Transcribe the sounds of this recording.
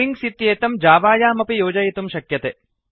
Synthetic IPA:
iŋɡsit̪jeːt̪ɐmd͡ʒaːʋaːjaːmɐpijoːd͡ʒɐjit̪umʃɐkjɐt̪eː

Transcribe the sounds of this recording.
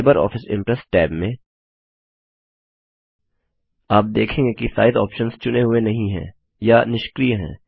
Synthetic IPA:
bəɾɔ̰ːfɪsɪ̰̃mpɾɛsʈɛːbmẽ | aːp̚d̪eːkʰẽːŋɡekisa̰ːɪd̪ɔːpʃənst͡ʃʊneɦʊenɐɦĩɦɛ̰̃ | janɪʃkɾiːɦɛ̰̃ː

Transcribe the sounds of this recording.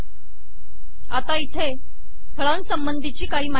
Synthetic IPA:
at̪ait̪ʰe | t̪ʰəɭansəmbənd̪ʱit͡ɕiːkaɦiːma

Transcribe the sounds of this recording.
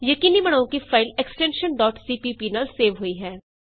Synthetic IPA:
jɐkiːnibɐɽ̃aːõkifʰaːɪleksʈɛ̃nʃənɖɔːʈsiːpiːpinaːlseːʋɦoiɦɛː

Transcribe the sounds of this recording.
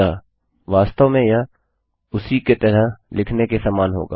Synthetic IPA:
aː | ʋaːst̪əʋmẽja | ʊsiket̪əɾəɦlɪkʰnekesaːmaːnɦo̰ːɡa̰ː

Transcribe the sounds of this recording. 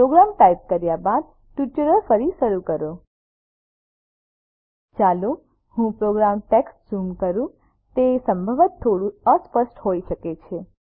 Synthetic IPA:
pɾoɡɾamt̪aip̚kəɾjabad̪̚ | ʈjuʈəɾəɾfəɾiʃəɾukəɾo | t͡ʃalo | hũpɾoɡɾamʈeksʈsumkəɾũ | t̪esəmbʱəʋət̪ʰːoɽũəspəsʈɦoiʃəket͡ʃʰe

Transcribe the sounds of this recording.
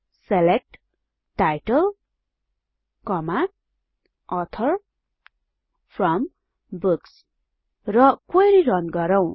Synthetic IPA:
selek̚ʈ | ʈajʈʌl | kʌma | ʌt̪ʰʌr | pʰrʌm | buks | rʌkojɾirʌnɡʌɾʌw̃

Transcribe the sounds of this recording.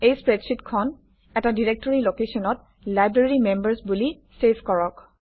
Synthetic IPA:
ejspɹɛdsitkʰɔn | ɛtadiɹek̚tɔɹilokesɔnɔt | lajbɹeɹimembəɹsbuli | sefkɔɹɔk

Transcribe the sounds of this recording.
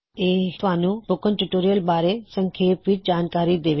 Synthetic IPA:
eːt̪ʋaːnũbokənʈuʈoːɾijəlbaːɾesə̃ŋkʰeːpʋɪt͡ʃd͡ʒaːnkaːɾid̪eːʋe

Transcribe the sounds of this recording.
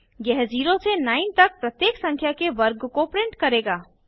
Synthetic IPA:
ɡɛɦziːɾosenaːɪnt̪ɐk̚pɾɐt̪jeːksɐ̃ŋkʰjakeʋɐɾɡkopɾɪ̃ɳʈkɐɾeːɡaː

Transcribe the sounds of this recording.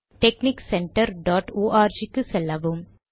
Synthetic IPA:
ʈɛkniksɛɳʈɐɾɖaːʈoːʔaːɾd͡ʒikːɯsɛlːɐʋɯm

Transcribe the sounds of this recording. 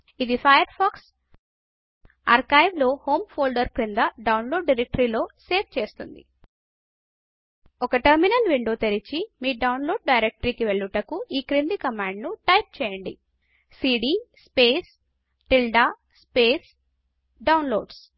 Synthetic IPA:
id̪ipʰɐjɐɾpʰaːks | ɐ̰ɾkɐjʋlo̞ːho̞ːmpʰoːɭɖɐɾkɾind̪ɐɖɐwnlo̞ːɖːiɾek̚ʈɐɾiːlo̞ːseːpt͡ʃe̞ːst̪und̪ḭ | ɔkɐʈɐɾminɐlʋiɳɖoːt̪eɾit͡ʃimiːɖɐwnlo̞ːɖ̚ɖɐjɾek̚ʈɾiːkiʋeɭːuʈɐkuiːkɾind̪ikɐmaːɳɖnuʈɐjp̚t͡ʃɛːjɐɳɖḭ | siːɖiːspeːs | ʈilɖaː | speːs | ɖɐwnloːɖs

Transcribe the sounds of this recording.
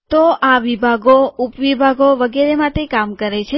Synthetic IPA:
t̪oaʋibʱaɡoupʋibʱaɡoʋəɡeɾemãt̪ekamkəɾet͡ʃʰe

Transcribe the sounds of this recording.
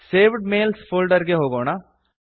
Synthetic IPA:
seːʋɖmeːlspʰʊlɖəɾɡeɦoːɡoːnaː

